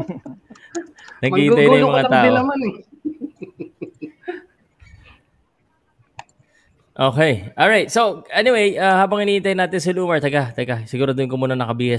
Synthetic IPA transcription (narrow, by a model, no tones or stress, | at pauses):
nɐɡkiːɐjnɐjʊmɐŋaaːɪʔoɐman | ʔo̞ːkɛjʔoːlɹajt̪̚soʔɛnɪwejʔahaːbɐŋɪniːʔɪnt̪ɐjnaːt̪ɪns̬ɪluːmɐɹt̪ɐɡat̪ɐɡasɪɡuːɾod̪onkomuːnɐnɐkɐbiːhɐ